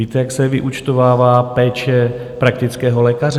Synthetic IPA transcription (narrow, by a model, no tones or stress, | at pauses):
iːt̪ɛjaksɛvɪʔut͡ʃt̪ovaːvaːpɛːt͡ʃɛ | pɾak̚t̪ɪt͡skɛːɦo̞lɛːkarɛ